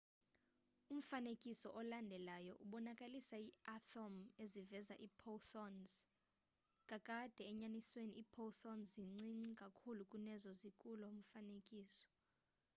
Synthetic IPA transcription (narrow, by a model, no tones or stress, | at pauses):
um̩fanekʼisɔʔɔlandʱɛlajɔʔuɓɔnakʼalisaiatɔmezivɛzaʔiːpʰoθɔnz | kʼakʼad̥ʱɛːɲanisweniipʰoθɔnziŋ͡ǀiŋ͡ǀikʼakʰulukʼunɛzɔzikʼulɔum̩fanekʼiːsɔ̥